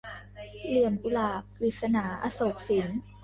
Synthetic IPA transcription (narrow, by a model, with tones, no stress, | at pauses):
li˨˩əmku˧laː˨˩k̚liː˨˩t̪̚sa˧naː˩˦ʔa̰˧so˨˩k̚si˨˩˦n